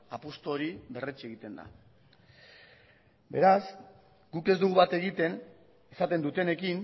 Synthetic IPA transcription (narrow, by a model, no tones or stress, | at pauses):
apost̪oɾiβe̞ret͡ʃeɣit̪e̞nd̪a̰ | be̞ɾas | ɡ̥uke̞zd̪uɣ̞uβat̪e̞ɣit̪e̞n | esat̪e̞nd̪ut̪e̞ne̞kin